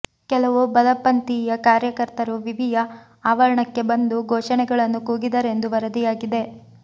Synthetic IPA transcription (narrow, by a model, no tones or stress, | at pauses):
kɛlɐʋubɐlɐpːɐnt̪ijɐkaːɾjɐkɐɾt̪ɐɾuʋiʋijɐ | aːʋɐɾɐɳɐkːe̞bɐnd̪uɡʱɔːʃɐɳɛɡɐɭɐnːukuːɡid̪ɐɾe̞nd̪uʋɐɾɐd̪ijaːɡid̪e̞